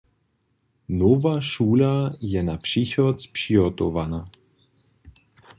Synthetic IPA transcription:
novaʃuːlajɛnapʂixɔt̪spʂiɔt̪ovana

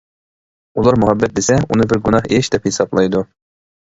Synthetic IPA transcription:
ulˠɑɾmuɦɛbːɛt̪̚d̪esɛunɨbɪɾɡunɑχeʃd̪ɛphesɑblˠɑjd̪u

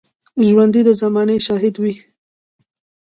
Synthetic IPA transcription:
ʒwand̪id̪əzamɑneʃɑɦɪd̪wi

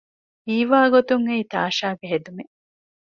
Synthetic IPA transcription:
iːʋaːɡot̪uŋeit̪a̰ːʃaːɡeɦed̪ume

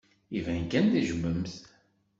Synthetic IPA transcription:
ivænkænd̪iʒəmːəmθ

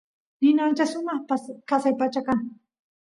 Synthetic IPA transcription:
nɪnant͡ʃasʊmɑχpaskasajpat͡ʃakaŋ

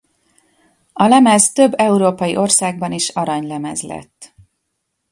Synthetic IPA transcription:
ɒlɛmɛzt̪ø̞bːɛuɾoːpɒjiʔo̞rsaːɡ̚bɒniʃɒɾɒɲlɛmɛzlɛ̰t̪ː

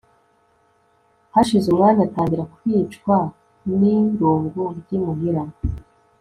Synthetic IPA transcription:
haʃizumŋaːnataːɲɟiɾakwiːt͡ʃkwa | niɾuːŋɡuɾɟimuɡiɾam

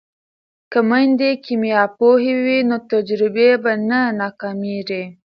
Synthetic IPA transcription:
kamajnd̪ekʰimjɑpohewinot̪ad͡ʒɾɪbebananɑkɑmeɾe

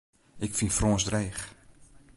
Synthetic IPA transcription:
ɪkfinfrɔːnsdreːχ

